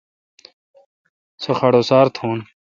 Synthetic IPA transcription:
soxɐɽoːsaːɾt̪ʰoːn

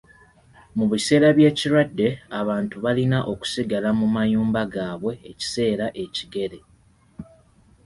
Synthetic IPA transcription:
muβise̞ːɾaβje̞ːciɾwadːe̞aβaːntuβalinaʔo̞ku̥siɡalamumajuːmbaɡaːβwe̞ːci̥se̞ːɾaʔe̞ciɡe̞ɾe̞

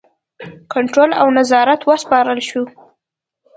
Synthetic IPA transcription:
kaɳʈɾola̰wnazɑɾat̪wəspɑɾəlʃu

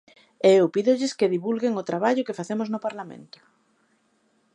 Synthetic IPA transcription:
eewpiðʊʎɪskeðiβulɣeŋʊt̪ɾaβaʎʊkefaθemʊznʊpaɾlamḛ̃nt̪ʊ̥

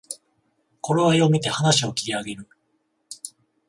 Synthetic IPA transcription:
ko̞ɾe̞βajo̞mʲit̪e̞hanaɕio̞kʲi̥ɾʲiaɡe̞ɾɯ̟

